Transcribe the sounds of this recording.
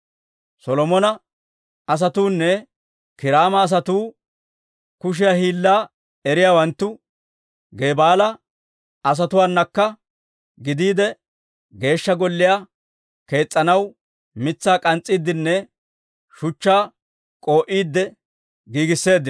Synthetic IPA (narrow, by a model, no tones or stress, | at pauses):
sɔlɔmɔnɐ | ɐs̬ɐt̪uːnːɛ | kɪɾaːmɐːs̬ɐt̪uː | kʊʃ̬ɪjaːhiːlːaː | ɛɾɪjaːwɐnt̪ːʊ | ɡe̞ːbaːlɐ | ɐs̬ɐt̪ʊwaːnːɐkːɐ | ɡɪd̪iːd̪ɛ | ɡe̞ːʃːɐɡɔlːɪjaː | ke̞ːt͡sʼːɐnɐw | mɪt͡sːaːkʼɐnt͡sʼːiːd̪ːɪnːɛ | ʃʊt͡ʃːaː | kʼo̞ːʔiːd̪ːɛ | ɡiːɡɪsːe̞ːd̪ːɪ